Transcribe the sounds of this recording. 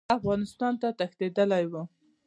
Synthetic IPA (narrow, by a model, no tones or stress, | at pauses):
afɣɑnɪst̪ɑnt̪at̪axt̪ed̪əlajwu